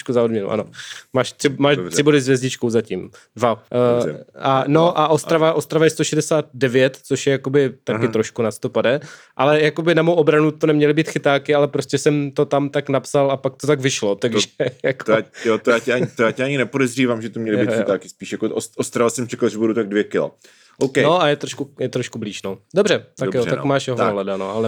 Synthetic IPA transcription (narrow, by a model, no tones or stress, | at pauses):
ʃkuzaodmɲɛnṵʔa̰nomaːʃt̪r̥ɪmaːʃr̥ɪbo̞dɪzvjɛzɟɪt͡ʃkowzacim | dvaɛ̰ʔano̞ʔaʔosɾavaʔost̪ɾavajɛst̪oʃɛdɛsaːt̪̚dɛvjɛt̪t͡soʃjɛjakobɪt̪akɪt̪ɾo̞ʃkunaso̥t̪opadɛ | ʔalɛjakobɪnamowʔobɾanut̪onɛmɲɛlɪbiːt̪xɪt̪aːkɪalɛpɾoscɛsɛmt̪o̞t̪amt̪aknapsalapak̚t̪ot̪aɡvɪʃlo̞t̪aɡʒɛjakojot̪ojaːcɛaɲt̪ojaːcɛʔaɲɪnɛpodɛzriːvaːmʒɛt̪omɲɛlɪit̪xɪt̪aːkɪspiːʃjakoʔosʔost̪ɾavasɛmt͡ʃʰɛkalʒɛbuɾut̪aɡ̚dvjɛkɪla̰ | ʔokɛnoajɛt̪ɾoʃkujɛt̪ɾoʃkubliːʃnodobrɛt̪akjoakmaːʃjɛɦoaɦlɛdanoʔalɛ